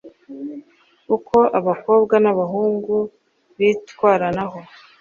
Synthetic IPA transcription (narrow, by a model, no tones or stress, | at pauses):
ukʰo̞ʔaβako̞ːbɡanaβaɦuːŋɡu | βitkwaːɾanaɦo̞